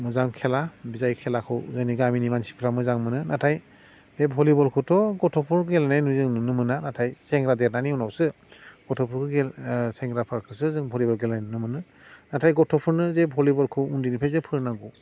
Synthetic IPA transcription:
mɯzaŋkʰɛlabizajkʰɛlakʰɯwzɯniɡaminimansi̥pʰɾamɯzaŋmɯnɯnatʰaj | dɛbʱɔlibɔlkʰɯwtɔɡɔtʰɔpʰuɹɡɛlanajnuzɯŋnɯmɯnanatʰajsɛŋɡɾadɛɾnaniunawsɯ | ɡ̥ɔtʰɔpʰuɹkʰɯɡɛsɛŋɡɾapʰaɹkʰɯs̬ɯzɯŋbʱɔlibɔlɡɛlajnnɯmɯnɯ | natʰajɡɔtʰɔpʰuɹnɯzɛbʱɔlibɔlkʰɯundinipʰajzɯpʰɯɹnaɡɔ

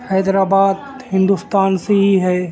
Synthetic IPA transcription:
hɛːd̪ɾaːbaːd̪ | hɪ̃nd̪ust̪aːnseɦiɦɛː

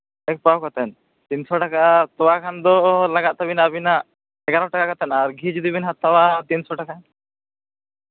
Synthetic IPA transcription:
ɛk̚pawkɔt̪ɛn | t̪insɔʈakat̪ɔwakʰand̪ɔlaɡaʔ̪̚t̪abinabina | ɛkaɾɔʈakakɔt̪ɛnaɾɡʱid͡ʒud̪ibinɦat̪ːawat̪insɔʈaka

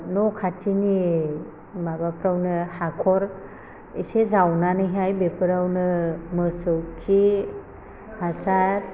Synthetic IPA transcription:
nɔkʰatini | mabapɾawnɯhakʰɔɾ | isezawnanɯjɦajbepʰɯɾawnɯmɯsɯwkʰi | hasat̚

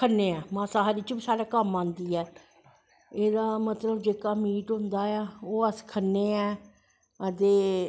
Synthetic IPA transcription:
kʰənːeːɛːmãːsaːɦaːɾiːt͡ʃbisaːɽaːkəmãːnd̪iːɛː | eːd̪aːmət̪ləbd͡ʒeːkaːmiːʈɦʊ̃nd̪aːɛːoːəskʰənːeːɛː | ət̪eː

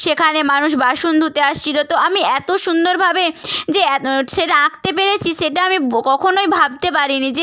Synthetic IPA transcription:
ʃekʰanemanuʃ̬baʃund̪ʱut̪eaʃt͡ɕʰilot̪oamiɛt̪oʃund̪oɾbʱabed͡ʑeʃeʈaak̚t̪ep̬eɾet͡ɕʰiʃeʈaamikɔkʰonojbʱab̚t̪epaɾinid͡ʑe

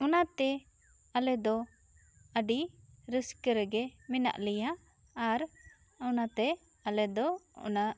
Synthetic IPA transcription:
ɔnat̪ɛ | alɛd̪ɔ | əɖiɾəskəɾɛɡɛmɛna̰ʔlɛjaː | ɾ | ɔnat̪ɛ | alɛd̪ɔɔ̰na

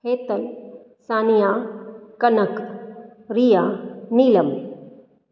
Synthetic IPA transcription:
hʰeːt̪əl | saːnijaːkɐnək | ɾijaːniːləm

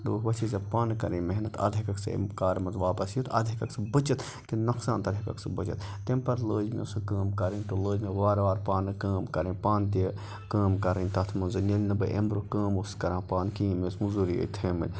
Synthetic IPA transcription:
d̪uɦʋɐt͡ʃʰizɐbpaːnkɐ̰ɾɐ̃nmɐɦnɐt̪ɐ̰d̪ʱikɐksɐ̰mkaːɾmɐnzʋaːpɐsjot̪ɐd̪ʱikɐksɐbɨt͡ʃɐt̪ | kinɐksaːnt̪ɐd̪ʱikɐ̰ksɐbɐt͡ʃɐ̰t̪t̪ːempɐɾloːd͡ʒmḛsɐkaːmkɐɾɐnʲt̪oloːd͡ʒmeʋaːɾʋaːɾpaːnkaːmkɐɾẽnpaːnt̪e | kaːmkɐɾɐnʲt̪ɐt̪ʰmɐnzɐnelnɐbɐʔḛmɾokaːmoskɐɾãːpaːnkĩːmesmuzuɾijo̰ːjt̪ʰeːmɐ̰lʲ

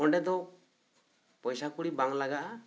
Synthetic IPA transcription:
ɔɳɖɛd̪ɔ | pɔjsakuɽibaŋlaɡaʔa

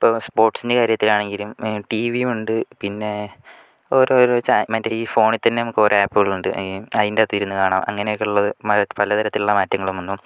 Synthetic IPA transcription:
ipːoːspo̞ːrʈsinde̞kaːɾjɐt̪ːilaːɳe̞ŋɡilumʈiːʋijumuɳɖɨpinːe̞ | oɾoɾoːt͡ɕamɐdeiːfo̞ːɳit̪ɐnːenɐmukːoːɾeaːpːɐɣɐɭuɳɖɨɐindet̪ːiðiɾunːukaːɳaːmʔɐ̰ŋːɐnejokːɭːɐðɨmɐpɐlɐt̪ɐɾɐt̪ːiluɭːɐmaːtːɐŋːɐɭumonːum

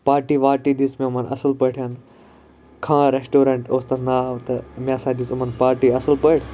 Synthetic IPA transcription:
paːɾʈiʋaːʈid̪iːsmẽʊmənʔɐ̰səlpɐʈʰijan | kʰãːɾeːsʈoːɾẽːɳʈoːst̪ɐnaːt̪ɐmẽːsãːd̪isʊmənpaːɾʈiɐsəlpɐɪɽʰ

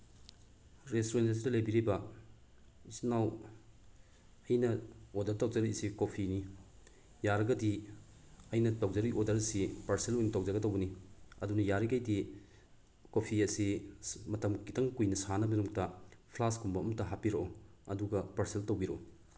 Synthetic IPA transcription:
ɾestoɾenses̬idɐlebiɾibɐ | isnaw | ɐjnɐodɐɾtɐwd͡ʒɐɾisikopʰini | jaɾɐɡɐdi | ɐjnɐtɐwd͡ʒɐɾiʔodɐɾɐsipɐɾselojnɐtɐwd͡ʒɐɡɐdɐwbɐniɐ̰dunɐjaɾikɐjdi | kopʰiɐsimɐtɐmkitɐŋkujnɐsanɐbɐnuŋtɐpʰlaskumbɐɐmɐtɐɦapiɾɐʔo | ɐduɡɐpɐɾseltɐwɡiɾoʔo

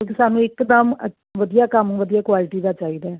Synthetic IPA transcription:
õkisaːnũːɪkd̪əmə | ʋəd̪ijaːkəmʋəd̪ijaːkwaːlɪʈiːd̪aːt͡ʃaːiːd̪aːɛː

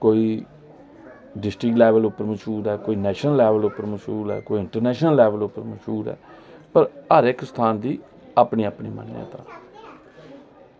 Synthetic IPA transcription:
koːiː | ɖɪsʈɾɪklɛːʋəlʊpːəɾməʃuːɾɛːkoːiːnɛːʃnəlːɛːʋəlʊpːəɾməʃuːlɛ̰ːkoːiɪɳʈəɾnɛːʃnəlːɛːʋəlʊpːəɾməʃuːɾɛ̰ːpəɾəɾɪkst̪ʰaːnd̪iː | aːpɳiːaːpɳiːmə̰nːã̰ːt̪ãː

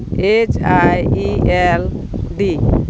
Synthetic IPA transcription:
et͡ʃajielɖi

